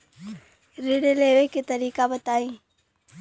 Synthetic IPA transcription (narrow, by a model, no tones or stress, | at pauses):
ɾɪɽeleːʋeket̪ɐɾiːkabət̪aːĩː